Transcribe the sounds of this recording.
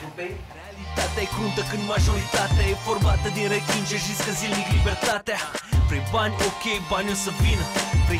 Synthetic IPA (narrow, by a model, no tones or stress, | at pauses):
realit̪at̪ɛjkɾunt̪əkɨnd̪maʒoɾit̪at̪ɛefoɾmat̪əd̪eɾek̪int͡ʃeʒiskəzilniklibeɾt̪at̪ɛpɾebaɲʲokejbaɲosəpinpɾe